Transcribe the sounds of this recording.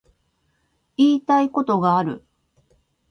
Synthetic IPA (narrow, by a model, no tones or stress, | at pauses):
iːt̪aiko̞t̪o̞ɡaːɾɯ̟̰